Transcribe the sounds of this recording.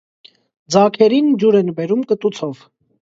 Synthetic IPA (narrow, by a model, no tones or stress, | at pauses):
d͡zɑkʰɛɾind͡ʒuɾɛnbɛɾumkət̪ut͡sʰɔv